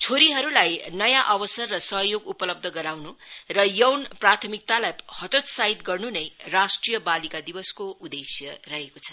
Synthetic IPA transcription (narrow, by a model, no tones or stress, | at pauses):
t͡sʰoɾiɦʌɾulajnʌjãʔʌwʌsʌrːʌsʌɦjoɡupʌlʌb̚d̪ʱʌɡʌɾawnurʌjʌwnprat̪ʰʌmik̚t̪alajhʌt̪ot̪saɦit̪ɡʌrnunʌjrasʈrijʌbalikad̪ibʌskoʔud̪esjʌrʌɦekot͡sʰʌ̥